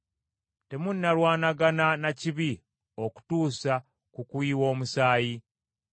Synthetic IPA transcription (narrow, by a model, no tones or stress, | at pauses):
te̞munːalwaːnaɡananaciβi | oku̥tuːsa | kukwiːwo̞ːmusaːji